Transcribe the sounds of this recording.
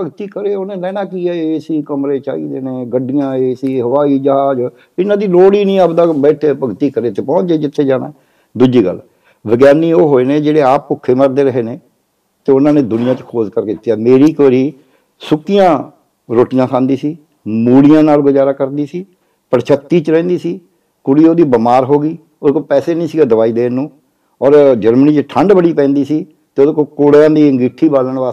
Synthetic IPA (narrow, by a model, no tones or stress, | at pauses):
pəɡt̪iːkəɾeːoːnẽːlɛ̃ːnãːkiːɛːeːsiːkəmɾeːt͡ʃa̰ːḭːd̪eːneːɡəɖɪjãːeːsiːɦəʋaːiːd͡ʒəɦaːd͡ʒ | ɪnãːd̪iːloːɽiːnĩːəpd̪aːbɛːʈʰeːpəɡt̪iːkəɾeːt̪eːpɔ̃ːeːd͡ʒɪt̪ʰːeːd͡ʒaːnã̰ː | d̪ud͡ʒiːɡə̰l | bəɡjaːniːoːɦoːeːneːd͡ʒeːɽeːaːppʊkʰːeːməɾd̪eːɾəɦeːneː | t̪eːʊnãːneːd̪ʊnɪjãːt͡ʃkʰoːzkəɾket̪ːjaːmeːɾiːkoːɾiː | sʊkːijãː | ɾoːʈijãːsãːnd̪iːsiː | muːɽijãːnaːlɡʊd͡ʒaːɾaːkəɾd̪iːsiː | pəɽt͡ʃʰət̪ːiːt͡ʃəɾɛ̃ːnd̪iːsiː | kʊɽiːoːd̪iːbəmaːɾɦoːɡiː | oːd̪eːkoːpɛːseːnəĩːsiːɡaːd̪əʋaːiːd̪eːnũː | ɔːɾd͡ʒəɾməniːt͡ʃʈʰəɳɖbəɽiːpɛ̃ːnd̪iːsiː | t̪eːoːd̪eːkoːkoːɽjãːd̪iːəŋɡiːʈʰːiːbaːlənʋaː